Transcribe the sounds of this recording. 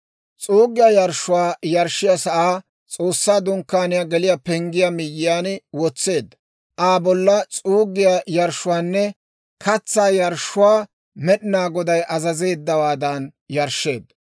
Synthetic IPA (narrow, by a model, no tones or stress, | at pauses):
t͡sʼuːɡɪjajɐɾʃːʊwaːjɐɾʃːɪjasɐʔaː | t͡sʼo̞ːsːaːd̪ʊŋkːaːnɪjaɡɛlɪjapɛŋɡɪjamɪjːɪjaːnwɔt͡sːe̞ːd̪ːɐ | ʔaːbɔlːɐt͡sʼuːɡɪjajɐɾʃːʊwaːnːɛ | kɐt͡sːaːjɐɾʃʊwaː | mɛɗɪnaːɡɔd̪ɐjʔɐzɐze̞ːd̪ːɐwaːd̪ɐnjɐɾʃːe̞ːd̪ː